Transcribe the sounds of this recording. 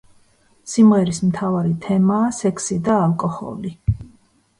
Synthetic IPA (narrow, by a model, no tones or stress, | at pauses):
simʁɛɾismt̪ʰavaɾit̪ʰɛmaːsɛkʰsid̪aːlˠkʼɔhɔ̰li